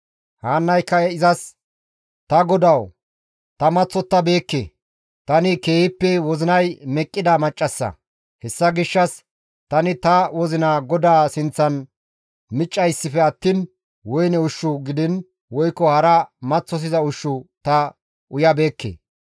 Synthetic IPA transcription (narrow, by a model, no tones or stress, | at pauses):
haːnːɐjkːɐɛɪzɐs | t̪ɐɡɔd̪ɐw | t̪ɐmɐt͡sːɔt̪ːɐbe̞ːkːḛ | t̪ɐnɪke̞ːhɪpːɛwɔzɪnɐjmɛkʼːɪd̪ɐmɐt͡ʃʼːɐsːɐ̰ | hɛsːɐɡɪʃːɐs | t̪ɐnɪt̪ɐwɔzɪnaːɡɔd̪aːsɪnt͡sːɐn | mɪt͡ʃʼːɐjsːɪfɛɐt̪ːiːn | wɔjnɛʊʃːʊɡɪd̪ɪn | wɔjkːɔhɐɾɐmɐt͡sːɔs̬ɪzɐʊʃːʊt̪ɐ | ʊjɐbe̞ːkːḛː